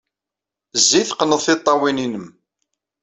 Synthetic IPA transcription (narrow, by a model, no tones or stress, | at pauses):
zːiθqənəðˤθɪt̪ˤːɑwininəm